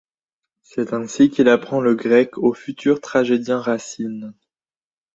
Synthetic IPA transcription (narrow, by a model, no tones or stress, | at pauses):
sɛt̪ɛ̃sikʲilapχɑ̃ləɡʁɛkʰofyt̪ʰyʁt̪χaʒed̪jɛ̃ʁasin